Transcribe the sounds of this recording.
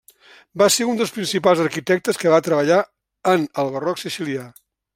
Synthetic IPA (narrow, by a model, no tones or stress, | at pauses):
baseund̪əlˠspɾinsipalˠzəɾkit̪ɛk̚t̪əskəβat̪ɾəβ̞əʎa | ənəlˠβərɔksisilia